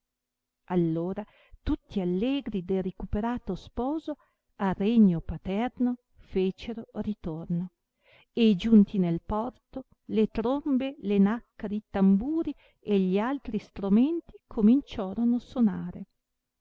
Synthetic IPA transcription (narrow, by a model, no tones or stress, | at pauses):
alːoːɾa | t̪ut̪ːialːɛːɡɾid̪elrekupeɾaːt̪ospɔːzo | areɲːopat̪ɛrno | feːt͡ʃeɾorit̪orno | ed͡ʒunt̪inelpɔrt̪o | let̪ɾombelenakːaɾit̪ambuːɾi | eʎialt̪ɾist̪ɾument̪ikʰomint͡ʃɔːɾonosonaːɾe